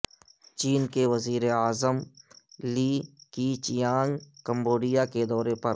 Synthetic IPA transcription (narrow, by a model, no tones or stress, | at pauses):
t͡ʃiːnkeʋɐziːɾeaːzəmliːkit͡ʃɪjãːŋɡkə̃mboːɖijaked̪ɔːɾepɐɾ